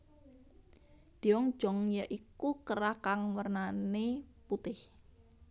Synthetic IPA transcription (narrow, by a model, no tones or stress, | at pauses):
d̪̥iɔŋ̥d͡ʒ̥ɔŋjaʔikukəɾakaŋwərnaneput̪ɪh